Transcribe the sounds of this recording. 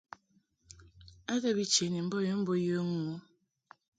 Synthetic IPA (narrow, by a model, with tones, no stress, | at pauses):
a˦de˦bi˦t͡ʃe˨ni˨m̩˦bo˦jo˦m̩˦bo˦jo˦ŋu˦